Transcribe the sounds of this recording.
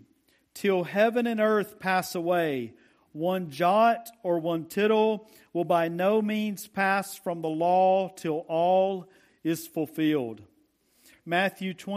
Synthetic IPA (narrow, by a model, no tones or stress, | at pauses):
tʰɪlˠhɛvɨ̃nɨ̃nɜ˞θpʰæsəweɪ | wʌ̃nd͡ʒɑɾə˞wʌ̃ntʰɪɾl̩ˠ | wəlˠbaɪnoʊmĩnz̥pʰæsfɹʌ̃mðəlɔtʰɪlˠʔɔlˠ | ɪz̥fl̩ˠfɪlˠd̚ | mæθjʉtʰw̥ɛ̃